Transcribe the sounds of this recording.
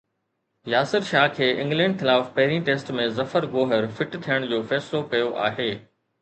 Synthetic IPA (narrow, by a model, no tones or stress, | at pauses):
jaːsɪɾʃaːkʰeːʔɪ̃ŋɡlɛ̃ːɳɖxɪlaːfpɐɦɪɾĩʈeːsʈmẽzɐfəɾɡoːɦəɾfɪʈt̪ʰijəɽ̃d͡ʑoːfɛːslokɐjoʔa̰ːɦeː